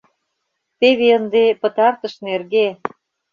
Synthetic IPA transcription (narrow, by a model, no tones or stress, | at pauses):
t̪eβeənd̪epə̆t̪ɑrt̪ə̆ʃnerɣe